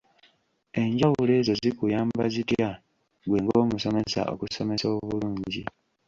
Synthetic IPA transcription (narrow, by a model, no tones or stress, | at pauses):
e̞ɲɟawule̞ːzo̞zikujaːmbazitja | ɡwe̞ːŋɡoːmuso̞me̞sa̰ʔo̰kuso̞me̞soːβuluːɲɟi